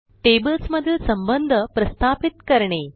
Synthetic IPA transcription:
ʈeːbəlsmɐd̪ʱjilsɐmbənd̪ʱəpɾɐst̪ʰaːpit̪kɐɾɳeː

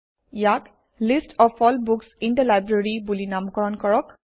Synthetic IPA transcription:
jak | listʰɔpʰɔlbuksindalajbɹeɹibulinamkɔɹɔnkɔɹɔk

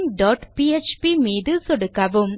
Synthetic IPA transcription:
ŋɖɔːʈpiːet͡ʃpimiːðɯsɔɽɯkːɐʋɯm

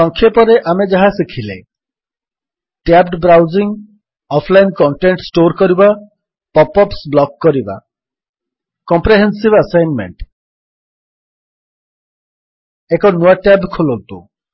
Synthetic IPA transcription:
ɔŋkʰːjepɔɾeʔamed͡ʒaɦasikʰilḛ | ʈjabɖbɾawziŋ | ɔpʰlajnkɔɳʈeɳʈsʈoɾkɔɾiba | pɔpɔpsblɔkːɔɾiba̰ | kɔmpɾeɦensibəsajnmḛɳʈ | ekɔnuaʈjabkʰolont̪ṵ

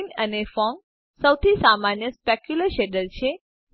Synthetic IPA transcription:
nənefɔŋ | səwt̪ʰisamanjəspekjuləɾʃɛɖəlt͡ʃʰe

